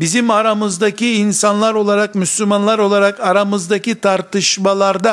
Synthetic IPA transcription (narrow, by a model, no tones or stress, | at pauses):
bizimɑɾamɯzd̪akʰiːnsɑnlˠaɾo̞lˠaɾaqmyslumɑnlˠaɾo̞lˠaɾaqɑɾamɯzd̪akʰʲit̪ʰɑɾt̪ɯʃmɑlˠɑɾd̪a